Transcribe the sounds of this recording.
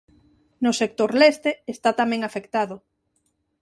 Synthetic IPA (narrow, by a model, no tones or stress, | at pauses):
nʊsek̚t̪oɾlest̪eːst̪at̪amɛ̃ŋafekt̪aðʊ